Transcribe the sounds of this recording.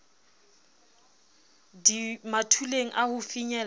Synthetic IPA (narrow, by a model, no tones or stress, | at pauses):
dimatʰuleŋ̩ʔahʊfiɲɛl